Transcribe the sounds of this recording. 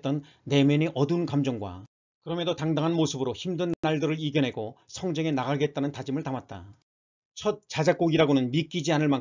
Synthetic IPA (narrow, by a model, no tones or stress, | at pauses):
t͈ʌnː | e̞mjʌneʔʌdunkamd͡ʑʌŋɡwa̰ | kɯɾʌmjedotaŋdaŋɦanmosʰɯbɯɾoçimdɯnːaɭdɯɾɯɭiɡjʌnɦe̞ɡosʰʌŋd͡ʑeŋe̞naɣaɡet̚t͈anɯntad͡ʑimɯɭtamat̚t͈a̰ | t͡ɕʰʌt̚t͡ɕ͈ad͡ʑak͈oɡiɾaɡonɯnmik͈id͡ʑianɯɭma